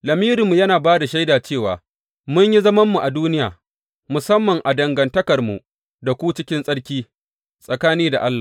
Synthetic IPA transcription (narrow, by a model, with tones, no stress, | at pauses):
lɐ˨miː˦ɾɪ˨mːu˨jɐ˦naː˨baː˦da˨ʃa˦jdaː˨t͡ʃeː˦˨waː˨ | mʊ˦ɲji˦zɐ˦mɐ˦mːu˨ʔa˨duː˦nɪ˦jaː˨ | mʊ˨sɐ˦mːɐ˨ŋʔa˨dɐ˨ŋɡɐ˨ntɐ˦kɐ˨rmṵ˨ | da˨kʷuː˦t͡ʃɪ˦kʲɪ˦nsʼɐ˦ɽkʲiː˦ | sʼɐ˨kaː˦niː˦da̰˨ʔa˦lːaː˨